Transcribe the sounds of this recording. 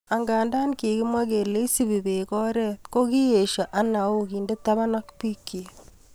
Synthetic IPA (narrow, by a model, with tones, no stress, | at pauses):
a˨ŋɡaː˨nda˦nki˨kɪ˦mwa˦ke˨le˦i˦si˦bi˨be˨kɔ˦ɾɛ˦ko˦ki˦je˨ʃa˨ʔa˦na˨u˦ki˨nde˦ta˦ba˦na˦kpi˦kːi˨